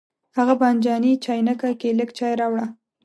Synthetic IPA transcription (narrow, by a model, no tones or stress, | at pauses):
haɣaband͡ʒɑnit͡ʃɑjnakakeləɡt͡ʃɑjɾɑwɽa